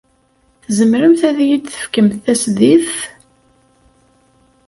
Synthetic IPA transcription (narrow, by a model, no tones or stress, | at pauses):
θzəmɾəmθæðjid̪θə̥fkəmθθæsðiθ